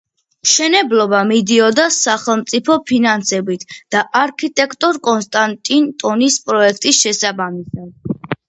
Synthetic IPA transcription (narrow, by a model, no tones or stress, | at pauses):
ʃɛnɛblɔbamid̪iɔd̪asaχɛlˠmt̪sʼipʰɔpʰinansɛbit̪ʰd̪̥aʔaɾkʰit̪ʼɛkʰt̪ʼɔɾkʼɔnst̪ʼant̪ʼint̪ʼɔnispʼɾɔɛkʰt̪ʼisʃɛsabamisad̪̥̚